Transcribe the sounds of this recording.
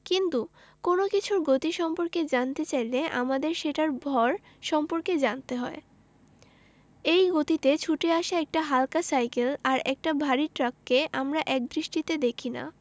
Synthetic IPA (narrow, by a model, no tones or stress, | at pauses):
kint̪u | konokit͡ɕʰuɾɡot̪iʃɔmpoɾked͡ʑant̪et͡ɕajleʔa̰mad̪eɾʃeʈaɾbʱɔɾ | ʃɔmpoɾked͡ʑant̪eɦɔe | ejɡot̪it̪et͡ɕʰuʈeaʃaɛk̚ʈaɦalkasajkelaɾɛk̚ʈabʱaɾiʈɾakːeʔamɾaʔɛk̚d̪ɾiʃʈit̪ed̪ekʰina̰